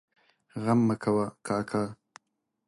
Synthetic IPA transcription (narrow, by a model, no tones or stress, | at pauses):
ɣamːəkʰawakaːkʰaː